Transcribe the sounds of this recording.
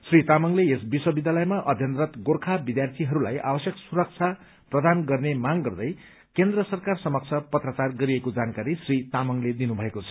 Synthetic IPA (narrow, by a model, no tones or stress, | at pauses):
srit̪amʌŋleesbiswʌbid̪jalʌjmaʔʌd̪ʱjʌnt̪rʌt̪ɡorkʰabid̪jart̪ʰiɦʌɾula̰jʔa̰bʌsjʌksuɾʌk̚t͡sʰa | prʌd̪anɡʌrnemaŋɡʌrd̪ʌj | kend̪rʌsʌrkarsʌmʌk̚t͡sʰʌpʌt̪rʌt͡sarɡʌɾiekod͡zankaɾisrit̪amʌŋled̪inubʱʌekot͡sʰʌ̥